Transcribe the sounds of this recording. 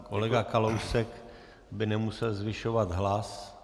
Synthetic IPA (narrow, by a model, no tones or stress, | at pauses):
kolɛɡakalowsɛk | bɪnɛmusɛlzvɪʃovat̪ɦlas